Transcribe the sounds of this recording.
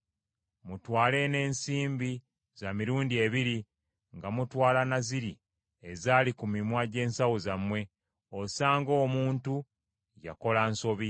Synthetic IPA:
mutwaːle̞ne̞ːnsiːmbi | zamiɾuːndie̞βiɾi | ŋɡamutwaːlanaziɾi | ezaːlikumimwaɟe̞ːnsawozamwe̞ | osaːŋɡo̞ːmuːntu | ja̰ko̞lanso̞βi

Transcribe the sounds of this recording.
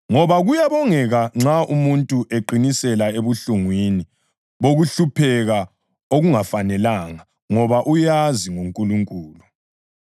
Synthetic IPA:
ŋɔβaɣujaβɔŋɛɣaŋ͡ǁaʔumuntʼuʔeǃinisɛlaeβuɬuŋwini | βoɣuɬupʰɛɣa | oɣuŋafanɛlaŋa | ŋɔβaʔujaziŋoŋkʼuluŋkʼuːlu

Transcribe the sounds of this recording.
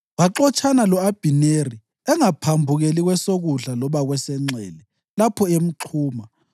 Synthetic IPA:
waǁɔt͡ʃʰʼanalɔab̥ʱineri | ɛŋapʰambʱuɣeliɣwɛsoɣuɮalɔβaɣwɛsɛŋ͡ǀʱɛːlɛ | lapʰɔem̩ǁʰuːma

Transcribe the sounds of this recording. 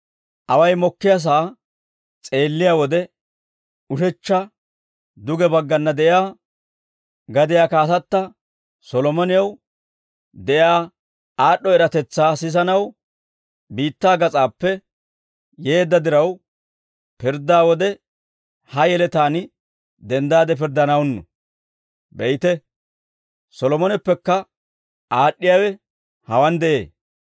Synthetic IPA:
ʔɐwɐjmɔkːɪjas̬aː | t͡sʼe̞ːlːɪjaːwɔd̪ɛ | ʊʃɛt͡ʃːɐ | d̪ʊɡɛbɐɡːɐnːɐd̪ɛʔjaː | ɡɐd̪ɪjaːkaːsɐt̪ːɐ | sɔlɔmɔnɪjɐw | d̪ɛʔjaː | aːɗːɔɛɾɐt̪ɛt͡sːaːsɪs̬ɐnɐw | biːt̪ːaːɡɐt͡sʼaːpːɛ | je̞ːd̪ːɐd̪ɪɾɐw | pɪɾd̪aːwɔd̪ɛ | hɐjɛlɛt̪aːnɪ | d̪ɛnd̪aːd̪ɛp̬ɪɾd̪ɐnɐwnːɔ̰ | bɛjt̪ɛ | sɔlɔmɔnɛpːɛkːɐ | aːɗːɪjaːwɛ | hɐwɐnd̪ɛʔḛː

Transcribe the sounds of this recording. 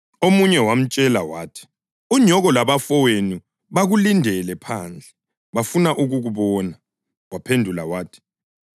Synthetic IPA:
omuɲɛwam̩t͡ʃʼɛlawaːtʰi̥ | uɲʱɔɣɔlaβafɔweni | βaɣulindʱɛlɛpʰaːnd͡ɮʱɛ | βafunaʔuɣuɣuβɔːna | wapʰendʱula̰waːtʰi̥

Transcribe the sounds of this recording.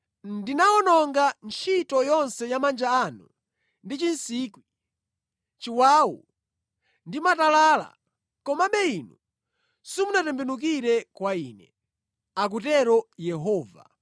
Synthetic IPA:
ndinaɔnɔŋɡant͡ʃʰitɔjɔnsɛjamand͡ʒaːnu | ndit͡ʃinsiːkwi | t͡ʃiwaːwṵ | ndimatalaːla̰ | kɔmaɓɛinu | simunatɛmbɛnuk̬iɾɛkwaiːnɛ | ak̬utɛɾɔjɛɦɔːva̰

